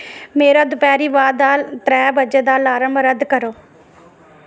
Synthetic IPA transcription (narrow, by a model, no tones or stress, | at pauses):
meːɾaːd̪ʊpɛːɾiːʋaːd̪aːlt̪ɾɛːbəd͡ʒed̪aːlaːɾəmbɾəd̪kəɾoː